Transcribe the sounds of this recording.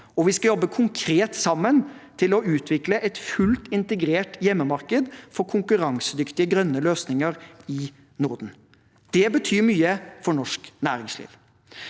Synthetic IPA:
ɔʋɪskɑjɔbːəkʰʊŋkʰɾeːt̪sɑmːənt̪ʰɪlɔʉːt̪ʰʋɪkləʔɛt̪fʉlt̪ɪnt̪əɡɾeːʈjɛmːəmɑɾkəd̪fɔkʰʊŋkʉɾɑŋsəd̪ʏkt̪ɪəɡɾœnːəløːsnɪŋəɾɪ | nʊɾd̪n̩ | d̪̥ɛbət̪ʰyːmyːəfɔɳɔʂknæːɾɪŋslḭːʋ

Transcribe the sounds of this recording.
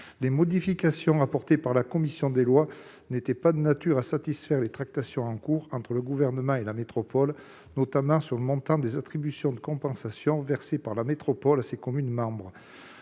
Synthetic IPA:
lemɔd̪ifikasjɔ̃apɔʁt̪epaʁlakɔmisjɔ̃d̪elwa | net̪ɛpad̪ənat̪yʁasat̪isfɛʁlet̪χak̚t̪asjɔ̃ɑ̃kuʁɑ̃t̪χələɡuvɛʁnəmɑ̃elamet̪χɔpɔl | nɔt̪amɑ̃syʁləmɔ̃t̪ɑ̃d̪ezat̪χibysjɔ̃d̪əkɔ̃pɑ̃sasjɔ̃vɛʁsepaʁlamet̪χɔpɔlasekɔmynmɑ̃bʁə

